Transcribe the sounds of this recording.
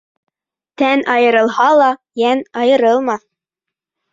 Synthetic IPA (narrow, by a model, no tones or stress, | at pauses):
t̪ænʔɑjɤ̆ɾɤ̆lˠɦɑlˠɑjænɑjɤ̆ɾɤlˠmɑ